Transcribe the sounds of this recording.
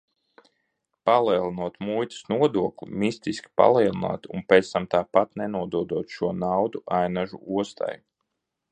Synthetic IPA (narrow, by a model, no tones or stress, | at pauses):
palˠiɛlˠinuɔt̪mujt̪ə̥snuɔd̪uɔklʲṵmist̪iskʲi̥pa̰lˠiɛlˠina̰ːt̪ṵnpʲɛːt̪st̪amt̪aːpat̪nɛnuɔd̪uɔd̪uɔt̪ʃuɔnawd̪uʔajnaʒṵuɔst̪ʰa̰j